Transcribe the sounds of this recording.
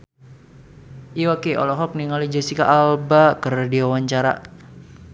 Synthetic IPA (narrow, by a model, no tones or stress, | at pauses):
iwakeʔɔ̰lɔɦɔk̚niŋalid͡ʒəsika̰ʔalbakərdiwawaɲt͡ʃaɾa̰